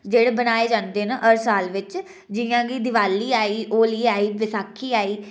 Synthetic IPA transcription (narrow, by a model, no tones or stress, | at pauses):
d͡ʒeːɽeːbənaːeːd͡ʒãːnd̪eːnaʔəɾsaːlʋɪt͡ʃ | d͡ʒɪjãːɡiːd̪ɪʋaːlːiːaːiːʔoːliːaːiːʋɪsaːkʰːiːaːiː